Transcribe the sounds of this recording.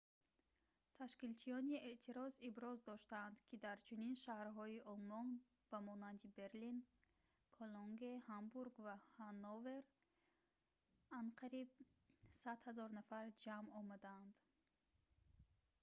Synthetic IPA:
t̪ʰaʃkilt͡ʃʰijɔnieʔt̪ʰiɾɔzibɾɔzd̪ɔʃt̪aːnd̪kʰid̪aɾt͡ʃʰuninʃahɾɦɔiʔɔlmɔn | b̥amɔnand̪ibe̞ɾlin | kʰoloŋɡehambuɾɡvahanove̞ɾ | anqʰaɾib̚sad̪hazɔɾnafaɾd͡ʒamɔmad̪aand̪

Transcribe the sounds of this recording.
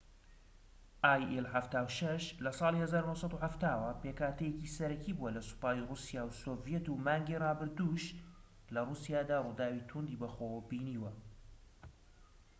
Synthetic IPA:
ʔaːjʔɛlħaft̪aːwʃɐʃlɐsˤɑːlihɐzaːɾunohsˤɑt̪uhaft̪aːwɐpeːkʰaːt̪ʰɛjecisɐɾɐciːbuwɐlɐsu̥paːjrusijaːwsoːvjɛt̪umaːŋɡirɑːbɨɾd̪uːʃ | lɐrusijaːd̪aːrud̪aːwit̪ʰund̪ibɐxowbiːniːwɐ

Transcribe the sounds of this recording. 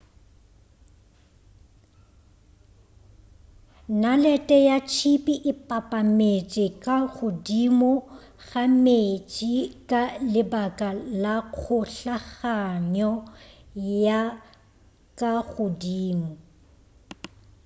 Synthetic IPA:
nalɛtʼɛjat͡ʃʰipʼiʔɪpʼapʼamet͡ʃʼɪkʼaɣʊdimʊ | ɣamet͡ʃʼɪkʼalɪbakʼalak͡xʰʊɬaɣaɲɔ | ja | kʼaɣʊdiːmʊ

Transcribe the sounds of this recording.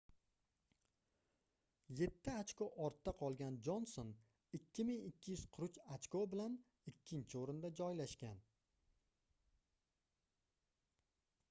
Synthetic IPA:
je̞t̪ʰːɪat͡ʃkoʔɒɾt̪ːaqʰɒlˠɡʲand͡ʒonson | ɪkʲʰːɪmɪŋɪkʲʰːɪjʉz̥qʰʊɾʊt͡ʃat͡ʃkobɪlan | ɪkʲːɪnt͡ʃʰɪoɾɪnd̪ad͡ʒɒjlaʃkʲan

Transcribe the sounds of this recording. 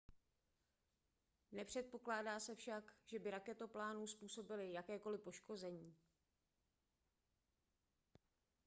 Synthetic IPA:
nɛpr̥ɛt̪̚po̞klaːdaːsɛfʃakʒ̥ɛbɪɾakɛt̪oplaːnuspuːso̞bɪlɪjakɛːko̞lɪpo̞ʃko̞zɛɲiː

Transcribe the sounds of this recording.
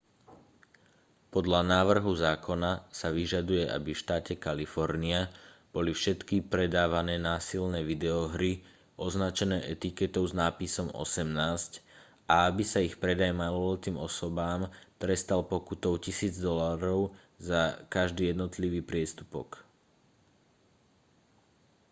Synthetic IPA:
pɔd̪lanaːʋr̩ɦuzaːkɔnasaʋiʒad̪ujɛʔa̰bifʃt̪aːcɛkalifɔɾniab̥ɔlifʃɛt̪kipɾɛd̪aːʋanɛːnaːsilnɛːʋid̪ɛɔɦɾi | ɔznat͡ʃɛnɛːʔɛt̪ikɛt̪ɔʊznaːpisɔmɔ̰sɛmnaːsc | ʔaabisaixpɾɛd̪ajmalɔlt̪iːmɔsɔbaːmt̪ɾɛst̪alpɔkut̪ɔʊcisiːd͡zd̪ɔlaɾɔʊ | zakaʒd̪iːjɛd̪nɔt̪liʋiːpɾɪɛst̪u̥pɔ̰k

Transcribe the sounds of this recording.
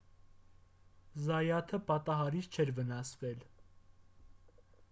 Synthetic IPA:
zɑjɑt̪ʰəpɑt̪ɑɦɑɾit͡st͡ʃʰɛɾvənɑsvɛl

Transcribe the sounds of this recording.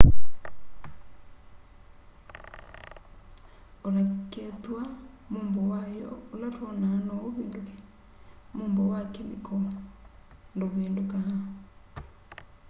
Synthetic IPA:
olakɛt̪wa | moːmbɔwajɔ̰ːlaɾɔnanɔoβeːndokɛ | moːmbɔwakemikʰɔ | ndoβeːndokaha

